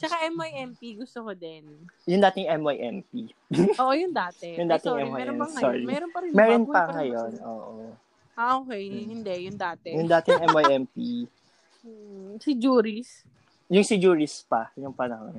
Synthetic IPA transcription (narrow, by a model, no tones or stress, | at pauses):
t͡ʃɐkaʔɛmajʔɛmpiɡʊst̪okod̪ɛnjʊŋd̪aːt̪ɪŋʔɛmajʔɛmpi | oːʔojʊŋd̪aːt̪ɛjʊŋd̪aːt̪ɪʔɛmaɛɐsɔɹimɛːɾonpɐɾɪmɛːɾonpɐŋɐjonʔoːʔo | aʔoːkɛjhɪnd̪ɛjʊŋd̪aːt̪ɛjʊŋd̪aːt̪ɪŋʔɛmajʔɛmpi | sid͡ʒuːɾis | jʊŋsid͡ʒuːɹɪspɐjʊŋpɐnɐho̰n